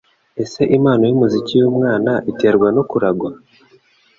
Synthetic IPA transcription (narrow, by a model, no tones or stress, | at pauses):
e̞se̞ʔimaːno̞jimuzicijuːmŋaːnaʔite̞ːɾɡwano̞kuɾaɡwa